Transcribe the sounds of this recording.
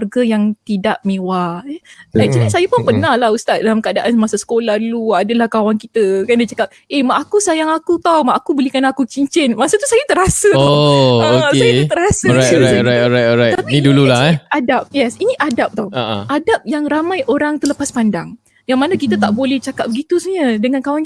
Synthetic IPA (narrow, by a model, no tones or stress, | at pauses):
arɡajaŋt̪idaʔmewa | lajd͡ʒadisajapʊnpənahlahust̪at̪̚dalamkəadaʔanmasasə̥kolahduluadəlahkawankit̪əkandat͡ʃakap̚emaʔakusajaŋakut̪awmaʔːkubəlikanakut͡ʃiɲt͡ʃɛnmasət̪usajat̪əɾasəookajaut̪əɾasaajɾaɔɾajɔɾajt̪ɔɾajt̪apinidululaadap̚jɛsiniʔadap̚t̪awaʔaʔadap̚jaŋramãjʔoɾaŋt̪ələpaspandaŋ | jaŋmanakit̪ət̪aʔbolɛht͡ʃakap̚bəɡit̪usəɲədəŋankawan